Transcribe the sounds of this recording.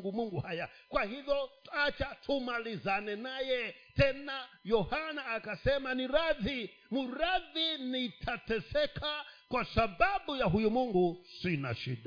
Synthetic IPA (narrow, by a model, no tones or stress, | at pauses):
ŋɡumuŋɡuhaja | kwahivjɔtat͡ʃatʰumalizanɛnajɛtɛnajɔhanaːkasɛmaniɾaði | muɾaðinitʰatɛsɛkʰakwasaɓaɓujaɦujumuŋɡusina̰ʃḭɗa